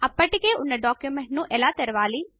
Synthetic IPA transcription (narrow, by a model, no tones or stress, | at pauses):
ɐpəʈkeʊnəɖɔːkjumẽɳʈ̚nũːʔɛlaːt̪əɾʋaːliː